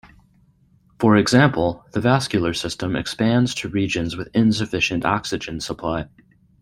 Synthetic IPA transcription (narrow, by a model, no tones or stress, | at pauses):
fə˞ɨɡzæ̃mpʰl̩ˠðɨvæskjl̩ˠə˞sɪstə̃mɨ̰kspæ̃ndz̥tʰɨɹid͡ʒɨ̃nzwɨðɪ̃ns̬ɨfɪʃɨ̃ntɑ̰ksɨd͡ʒɨ̃nsəpʰl̥aɪ